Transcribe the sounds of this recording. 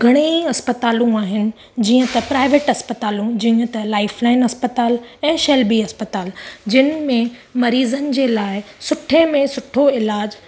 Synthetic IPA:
ɡʱɐɽ̃eɐspət̪aːlũaːɦɪnɪ̆ | d͡ʑiːə̃t̪ɐpɾaːɪʋeːʈɐspɐt̪aːlũd͡ʑiːə̃t̪ɐlaːɪflaːɪnɐspɐt̪aːlɛ̃ːʃɐlbiɐspət̪aːld͡ʑɪnɪmẽ | mɐɾiːzənɪ̆d͡ʑeːlaːɪsʊʈʰemẽsʊʈʰoɪlaːd͡ʑ

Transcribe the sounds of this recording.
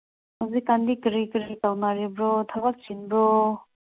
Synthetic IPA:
hazikːand̪ikəɾikəɾitawnaɾibɾɔt̪ʰabak̚t͡ʃinbɾɔ

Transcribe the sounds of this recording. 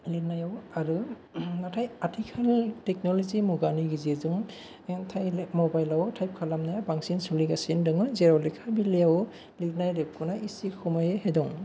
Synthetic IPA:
lenajawaɾɯ | natʰajatʰikʰalteknɔlɔzimuɡaniɡiziɾzuŋ | tʰajmɔbajlawtʰajp̚kʰalamnajawbaŋsinsuliɡasindɯŋɯzeɾawlekʰabiliaw | lik̚najɾep̚kʰunaisikʰɔmajeɦedɔŋ

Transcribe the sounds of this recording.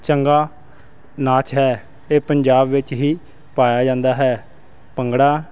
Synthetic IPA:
t͡ʃəŋɡaː | naːt͡ʃɦɛː | eːpəɲd͡ʒaːbʋɪt͡ʃɦiː | paːjaːd͡ʒãːnd̪aːɦɛː | pəŋɡɽaː

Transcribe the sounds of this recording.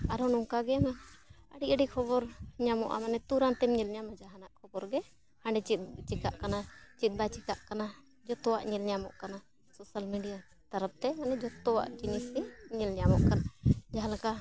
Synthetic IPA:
aɾɔnɔŋkaɡɛmanəɖiəɖikʰɔbɔɾɲamɔʔa̰manɛt̪uɾant̪ɛmɲilɲamad͡ʒaɦanaʔ̚kʰɔbɔɾɡɛ | hãɳɖɛt͡ʃit̪̚t͡ʃikaʔkanat͡ʃit̪̚ˀd̪at͡ʃikaʔkana | d͡ʒɔt̪ɔwaʔɲɛlɲamɔʔkana | sɔsalmiɖija | t̪ɐɾəp̚t̪ɛmanɛd͡ʒɔt̪ɔwa̰ʔd͡ʒiɲisiɲilɲamɔ̰ʔkanad͡ʒaɦãlaka

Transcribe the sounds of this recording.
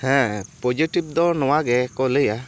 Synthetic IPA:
hɛ̃pɔd͡ʒiʈib̚d̪ɔnɔwaɡɛkɔleja

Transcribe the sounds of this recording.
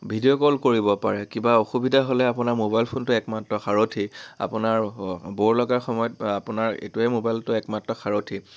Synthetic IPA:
bʱidiokɔlkoɹibɔpaɹɛkĩbaoxubidʱaɦolɛapʊnaɹmobajlpʰontʊɛkmatɹɔxaɹotʰia̰pʊnaɹboɹlɔɡaɹxɔmɔjɔt̚apʊnaɹḛtʊɛmobajltʊɛkmatɹɔxʰaɹotʰi

